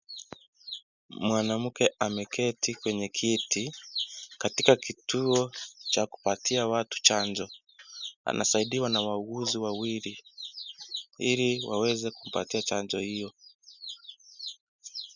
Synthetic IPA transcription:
mwanam̩kɛʔamɛkʰɛtikwɛɲɛkʰiti | katikakituɔt͡ʃaku̥patʰiawatu̥t͡ʃaɲd͡ʒɔ | a̰nʔa̰saiɗiwanawauɣuziwawiɾi | iliwa̰wɛzɛkum̩pa̰tiat͡ʃaɲd͡ʒɔhijɔ

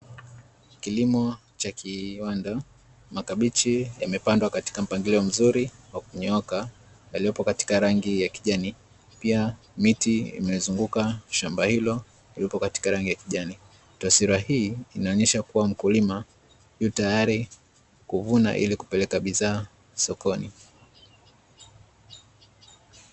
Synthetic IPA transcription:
kilimɔ | t͡ʃakʰiwanda | makaɓit͡ʃijamɛpandwakati̥kam̩paŋɡiliɔm̩zuɾiwakuɲɔka | jaliɔpɔkati̥kaɾaŋɡijakiʄani | pia | mitiḭmɛzuŋɡukaʃambahilɔ | lilipɔkati̥kaɾaŋɡijakiʄani | tasiɾahiːinaɔɲɛʃakuwam̩kulima | hutajaɾi | kuvuna̰ʔḭliku̥pɛlɛkaɓiðaː | sɔkɔni

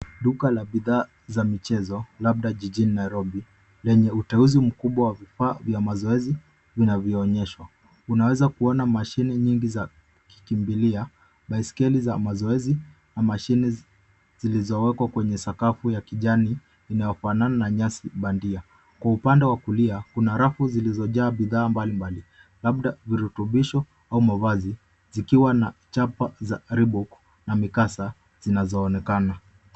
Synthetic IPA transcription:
ɗukalaɓiðaː | zamit͡ʃɛzɔlab̚ɗaʄiʄininaiɾɔbi | lɛɲɛutɛuzim̩kuɓwawavifaːvjamazɔɛzi | vinavjɔɔɲɛʃwa | unawɛzakuɔnamaʃinɛɲiŋɡiza | ki̥kimbilia | ɓaiskɛlizamazɔɛzi | namaʃinɛ | z̥ilizɔwɛkwakwɛɲɛsakafujakiʄaniː | najɔfanananaɲasiɓandia | kwaupandɛwakuliakunaɾafuzilizɔʄaːbiðaːmbalimbali | lab̚ɗaviɾutuɓiʃɔ | aumavazi | zikiwanat͡ʃapazaɾibuk | namikasa | z̥inazɔːnɛkana

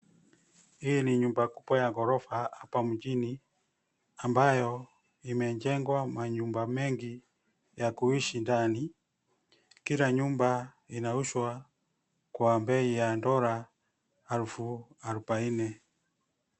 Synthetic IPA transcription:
ijiniɲumbaku̥pɔjaŋɡɔɾɔfaapamud͡ʒini | ambajɔ | imɛɲd͡ʒɛŋɡwamaɲumbamɛŋɡi | jakuiʃindani | kiɾaɲumba | inauʃwa | kwambɛijandɔɾaː | ɾufuaɾupainɛ

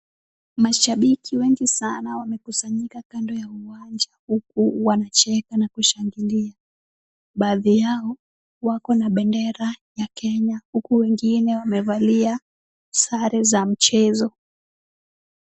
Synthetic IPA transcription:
maʃaɓikʰiwɛŋɡisanawamɛkusaɲikakandɔjauwand͡ʒahukuwanat͡ʃɛkanakuʃaŋɡilia | ɓaːðijaɔ | wakɔnaɓɛndɛɾajakɛɲahukuwɛŋɡinɛwamɛvalia | saɾɛzam̩t͡ʃɛzɔ

